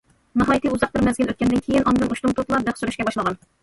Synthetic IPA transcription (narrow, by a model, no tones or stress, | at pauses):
mɑɦɑjt̪ɨuzɑq̚bɪɾmɛzɡʲinøt̪̚kʲɛnd̪ɪnkʲʰejinʔɑnd̪ɨnuʃt̪ʊŋt̪ʰot̪lˠɑɾb̪æχsuɾyʃkʲɛbɑʃlˠəʁɑn